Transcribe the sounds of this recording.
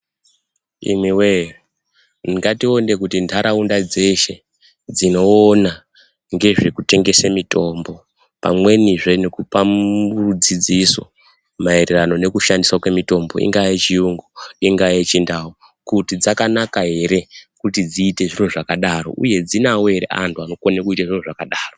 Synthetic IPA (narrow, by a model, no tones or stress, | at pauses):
ḭmiwe | niŋɡatio̞nde̞kutintʰaɾaundad͡ze̞ʃe̞ | d͡zino̞ːna | ŋɡe̞ʐe̞kute̞ŋɡe̞semito̞mbo̞ | pamwe̞niʐenekupamuud͡zid͡ziso | maeɾerano̞ne̞kuʃandiswakwe̞mito̞mbo̞̰ʔḭŋɡajet͡ʃijuŋɡuiŋɡajet͡ʃindao | kutid͡zakanakaɦe̞ɾe̞kutid͡ziːte̞ʐinoʐakaɗaɾo̞̰ʔuje̞d͡zinawoe̞ɾḛa̰ntuano̞konekuitaʐinoʐakaɗaːro